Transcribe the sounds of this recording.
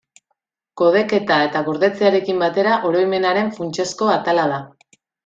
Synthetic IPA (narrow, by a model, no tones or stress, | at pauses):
ko̞ð̞e̞ke̞t̪ae̞t̪aɣoɾðe̞t͡seaɾe̞kimbat̪e̞ɾaʔo̞ɾo̞jme̞naɾe̞ɱfunt͡ʃe̞sko̞at̪alaða